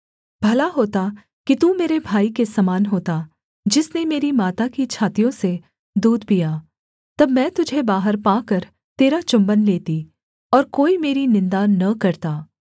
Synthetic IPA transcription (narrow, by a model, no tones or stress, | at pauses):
bʱɐlaɦoːt̪a | kit̪uːmeːɾebʱaːikesɐmaːnɦoːt̪a | d͡ʒɪsnemeːɾimaːt̪akit͡ʃʰaːt̪ijõse | d̪uːd̪pijaː | t̪ɐbmɛ̃ːt̪ʊd͡ʒʱebaːɦəɾpãːkɐɾ | t̪eːɾat͡ʃʊ̃mbənleːt̪i | ɔːɾkoːimeːɾinɪ̃nd̪anɐkɐɾt̪aː